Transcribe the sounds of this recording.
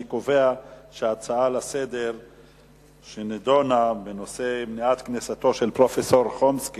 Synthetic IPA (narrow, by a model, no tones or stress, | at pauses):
kove̞aʃeat͡saalase̞d̪e̞ʁ | ʃened̪o̞nabeno̞se̞mniat̪knesat̪o̞ʃelpʁo̞feso̞ʁχomski